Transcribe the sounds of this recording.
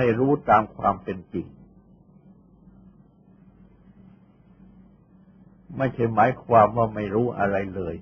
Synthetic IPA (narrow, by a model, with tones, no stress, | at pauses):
a˥˩jɾuː˦˥t̪aː˧mkʰwa̰ː˧mpe˧nt͡ɕi˨˩ŋ | ma˥˩jt͡ɕʰa˥˩jmaː˩˦jkʰwaː˧mwaː˥˩ma˥˩jɾuː˦˥ʔa̰˧ɾa˧jlɤː˧j